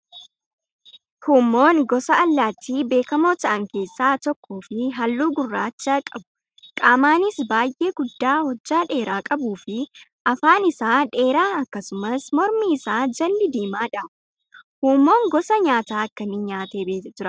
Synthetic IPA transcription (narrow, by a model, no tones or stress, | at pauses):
huːmːo̞ːŋɡɔsɐɐlːaːt̪ʰːiːbe̞ːkɐmo̞ːt̪ɐʔɐŋke̞ːsːaːt̪ɔkʰːoːfɪɦɐlːuːɡʊrːaːt͡ʃːaːkʼɐbʊ̥ | kʼaːmaːnɪsbaːjʔe̞ːɡʊd̪ːaːhɔd͡ʒːaːᶑe̞ːɾaːkʼɐbuːfɪʔɐfaːnɪsaːᶑe̞ːɾaːɐkːɐsʊmɐsmɔɾmiːɪsaːd͡ʒɐlːɪd̪iːmaːᶑɐ | huːmːo̞ːŋɡɔsɐɲaːt̪aːɐkːɐnɪɲaːt̪e̞ːbeːd͡ʒ̪ɪɾɐ